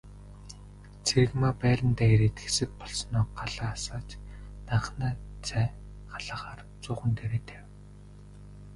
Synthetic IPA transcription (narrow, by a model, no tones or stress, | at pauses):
t͡sʰĕɣmaːpæːɾʲə̆nt̪æːeɾet̪ɡɘ̥̆sɘ̆k̚pɔɮsɞ̆nʊːɢaɮaːsaːt͡ɕnaɴχnæːt͡sæː | ɢaɮaːχaːr | t͡sʊːχə̆nt̪ʰeɾeːt̪ʰæw